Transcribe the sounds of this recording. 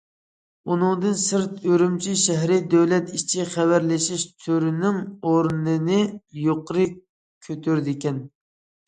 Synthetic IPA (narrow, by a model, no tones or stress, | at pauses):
unɨŋd̪ɨnsɨɾt̪øɾymt͡ʃʰiʃæɦɾɪd̪øwlɛt̪it͡ʃʰiχævæɾlɪʃiʃt̪ʰyɾynɪŋoɾnɨnɨjoqɾɨ | kʲʰøt̪ʰyɾd̪ɪkʲɛn